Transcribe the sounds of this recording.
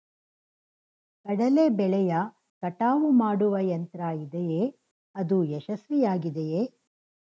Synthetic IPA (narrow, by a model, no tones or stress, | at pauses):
kɐɽɐlebɛɭɛjɐ | kɐʈaːʋumaːɽuʋɐjɐnt̪ɾaːjid̪eje | ɐd̪ujɛʃɐsɾijaːɡid̪eje